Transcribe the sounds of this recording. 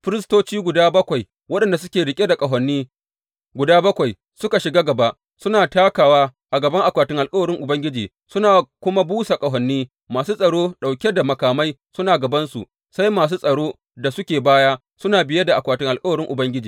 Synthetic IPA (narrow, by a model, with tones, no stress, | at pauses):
ɸɪ˦ɾɪ˦stoː˦t͡ʃiː˦ɡʷʊ˨daː˦bɐ˦kʷa˨j | wɐ˦ɗɐ˨nda˨s̬ʊ˦kʲeː˨ɽɪ˨kʲʼe˦da˨kʼɐ˨ɦɐ˨nːiː˦ | ɡʷʊ˨daː˦bɐ˦kʷa˨j | sʊ˦ka˨ʃɪ˨ɡaː˦ɡɐ˨ba˦ʔ | sʊ˦naː˨taː˦kaː˨waː˦ʔa˨ɡɐ˨bɐ˦ŋʔa˨kʷaː˨tɪ˦ŋʔa˨lkʼɐ˦wɐ˨ɾɪ˦ŋʔʊ˨bɐ˦ŋɡʲɪ˦d͡ʒiː˨ | sʊ˦naː˨kʷʊ˦ma˦buː˦sa˨kʼɐ˨ɦɔ˨nːiː˦ | maː˨suː˦sʼɐ˨ɽoː˦ɗa˨wkʲe˦da˨mɐ˨kaː˨ma˦jsʊ˦naː˨ɡɐ˨bɐ˦nsṵ˨ | sa˦jmaː˨s̬uː˦sʼɐ˨ɽoː˦ | da˨sʊ˦kʲeː˨baː˦jaː˦ | sʊ˦naː˨bɪ˨je˦da˨ʔa˨kʷaː˨tʊɪ˦ŋʔa˨lkʼɐ˦wɐ˨ɾɪ˦ŋʔʊ˨bɐ˦ŋɡʲɪ˦d͡ʒiː˨